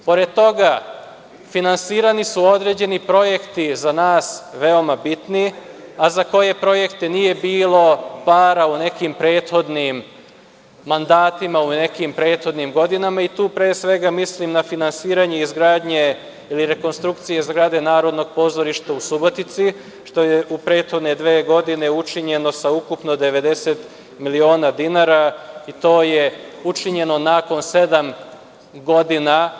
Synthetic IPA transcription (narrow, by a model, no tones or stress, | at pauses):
po̞ɾe̞d̪̚t̪o̞ɡa | finansiːɾanisuo̞d̪ɾe̞ːd͡ʑe̞nipɾo̞je̞kt̪izanaːsʋe̞o̞mabit̪niazako̞je̞pɾo̞je̞kt̪enije̞biːlˠo̞paːɾaune̞kimpɾe̞ːt̪xo̞d̪nimː | and̪aːt̪imaune̞kimpɾe̞ːt̪xo̞d̪nimɡo̞d̪inamait̪uːpɾeːsʋe̞ɡamislimnafinansiːɾaɲe̞izɡɾaːd̪ɲe̞ | iliɾe̞ko̞nst̪ɾukt̪sijeizɡɾaːd̪e̞naːɾo̞d̪no̞ɡpo̞ːzoɾiʃt̪ausubo̞t̪it̪si | ʃt̪o̞jeupɾe̞ːt̪xo̞d̪ne̞d̪ʋeːɡo̞d̪ine̞ut͡ʃiɲe̞no̞saukupno̞d̪eʋe̞d̪e̞set̪ | milio̞ːnad̪inaːɾait̪o̞ːjeut͡ʃiɲe̞no̞naːko̞nse̞d̪am | ɡo̞d̪ina